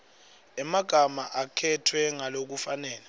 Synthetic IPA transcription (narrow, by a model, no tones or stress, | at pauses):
ɛmaɡ̥ʱamaʔakʰɛtʰwɛŋalok̬ufanɛːla